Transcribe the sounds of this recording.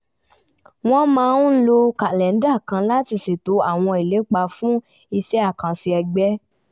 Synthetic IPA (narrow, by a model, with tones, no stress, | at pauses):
w̃ɔ̃˦mãː˦˧ũ˦lo˧ka˨lɛ˨n̩˦da˦˨kã˧la˦ti˧se˨to˨˦a˦˨w̃ɔ̃˧i˨le˨˦k͡pa˧fũ˦ | i˧ʃɛ˦a˦˨kã˧si˧ɛ˧ɡ͡bɛ˦